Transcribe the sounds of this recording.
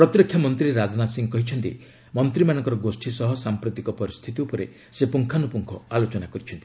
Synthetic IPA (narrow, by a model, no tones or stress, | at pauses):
pɾɔt̪ɾɔkʰːjɔmɔnt̪ɾiɾad͡ʒnasiŋkɔɦit͡ʃʰɔnt̪ḭ | mɔnt̪ɾimanɔŋkɔɾɔɡosʈʰisɔɦɔsampɾut̪ikɔpɔɾist̪ʰit̪iupɔɾḛ | sepuŋkʰanupuŋkʰɔalot͡ʃɔnakɔɾit͡ʃʰɔnt̪i̥